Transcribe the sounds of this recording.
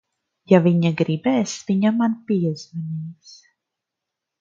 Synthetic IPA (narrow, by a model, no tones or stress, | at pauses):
javiɲaɡɾibɛːsviɲamanpiɛzmanʲiːks